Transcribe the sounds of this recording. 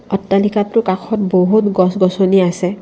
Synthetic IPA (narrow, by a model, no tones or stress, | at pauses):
ɔtːalikatʊkakʰɔt̚boɦutɡɔsɡɔsɔniasɛ